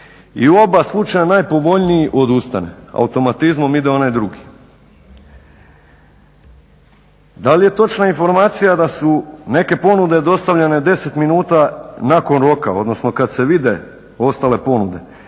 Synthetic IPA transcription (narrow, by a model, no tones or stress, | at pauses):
iuo̞baslˠut͡ʃajanajpo̞ʋo̞ʎniiʔo̞d̪ust̪a̰ne̞̰a̰ut̪o̞mat̪izmo̞mid̪eo̞najd̪ɾuɡi | d̪alije̞t̪o̞t͡ʃnainfo̞ɾmaːt̪sijad̪asune̞ke̞po̞nud̪ed̪o̞st̪aʋʎene̞d̪e̞se̞t̪minuːt̪anako̞nɾo̞ka̰o̞̰d̪no̞sno̞kad̪se̞ʋid̪e̞ | o̞st̪ale̞po̞nud̪e̞̰